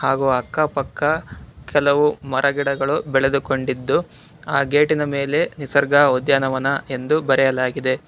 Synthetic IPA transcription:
haːɡuɐkːɐpɐkːɐkʰɛlɐʋumɐɾʔɐɡiɽɐɡɐɭubɛɭed̪uko̞ɳɖid̪ːu | aːɡe̞ːʈinɐmeːle̞nisɐɾɡaːod̪jaːnɐʋɐnɐe̞nd̪ubɐɾɛjɐlaːɡid̪e̞

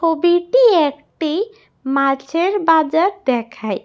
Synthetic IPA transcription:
obiʈiek | ʈi | mat͡ʃʰeɾbad͡ʒəɾd̪ekʰaj

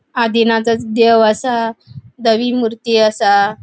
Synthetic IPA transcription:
ad̪inat͡sət͡sd̪eʋəsad̪əʋimuɾt̪iəsa

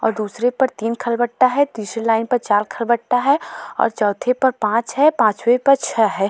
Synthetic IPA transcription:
ɔ̰ːɾd̪uːsɾepɐɾt̪iːnkʰɐlbəʈʈːaɦɛt̪iːsɾelaːɪnpɐɾt͡ʃaːɾkʰɐlbəʈʈaɦɛɔ̰ːɾt͡ʃɔːt̪ʰepɐɾpãːt͡ʃɦɛpãːt͡ʃwepɐɾt͡ʃʰɛɦɛː

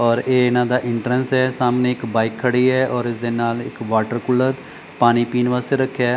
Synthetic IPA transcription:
ɔːɾeːɪnãːd̪aːʔɪɳʈɾənsɛːsaːmnẽːɪkbaːɪkʰːəɽiːɛːʔɔːɾɪsd̪eːnaːlɪ̰kʋaːʈəɾkʊlːəɾ | paːñiːpiːnʋaːst̪eːɾəkʰːjaː

